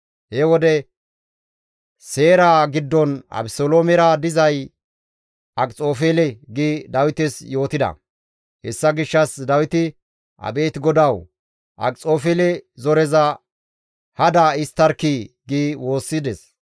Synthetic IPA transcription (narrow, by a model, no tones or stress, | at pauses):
hɛwɔd̪ɛ | se̞ːɾaːɡɪd̪ːɔnɐ̰bɪsoloːmɛɾad̪ɪzɐj | ʔɐkʼt͡sʼo̞ːfeːlɛɡid̪ɐwɪt̪ɛsjo̞ːt̪ɪd̪ɐ̰ | hɛsːɐɡɪʃːɐsd̪ɐwɪt̪ɪ | ʔɐ̰be̞ːt̪ɡɔd̪ɐw | ʔɐ̰kʼt͡sʼoːfɛːlɛzɔɾɛzɐ | hɐd̪ɐɪst̪ːɐɾkiɡiwo̞ːsːɪd̪ɛs